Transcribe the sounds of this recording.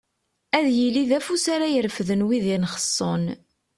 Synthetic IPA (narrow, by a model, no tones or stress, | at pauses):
æðjiliðæfusaɾajəɾfðənwiðinχə̥sˤːon